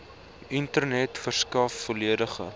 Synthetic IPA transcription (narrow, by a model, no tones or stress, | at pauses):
ʔintərnɛtfərskɐfːoliədəχə̰